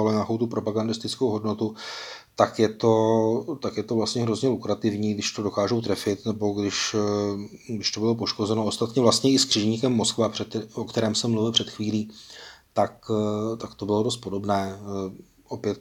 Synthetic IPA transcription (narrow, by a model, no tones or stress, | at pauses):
aloɲaːko̞wt̪upɾo̞paɡandɪst̪ɪt͡skowɦo̞dno̞t̪u | t̪akjɛt̪o̞t̪akjɛt̪ovlast̪ɲɛɦɾo̞zɲɛlukɾat̪ɪvɲiːɡdɪʃt̪o̞do̞kaːʒowt̪ɾɛfɪt̪nɛbo̞ɡdɪʃ | ɡdɪʃt̪o̞bɪlop̬o̞ʃko̞zɛnoost̪at̪ɲɛvlast̪ɲɛɪskr̥ɪʒɲiːkɛmːo̞skvaprɛokt̪ɛɾɛːmsɛmːluvɪlpr̥ɛt̪xviːliːt̪akt̪akt̪o̞bɪlo̞do̞s̬t̪̚po̞do̞bnɛː | ʔopjɛt̪